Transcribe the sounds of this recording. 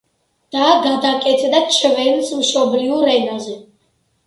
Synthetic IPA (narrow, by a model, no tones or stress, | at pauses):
d̪̥aːɡad̪akʼɛt̪ʰd̪at͡ʃʰvɛnsmʃɔbliuɾɛnazɛ